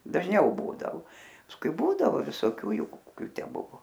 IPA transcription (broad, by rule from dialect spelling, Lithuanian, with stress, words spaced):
dɐʒʲˈnʲɛʊ ˈbuːdɐoː pɐsˈkʊɪ ˈbuːdɐʋoː ʋʲɪsoːˈkʲuː ˈjuː koːˈkʲʊ ˈtʲæː ˈbʊʋoː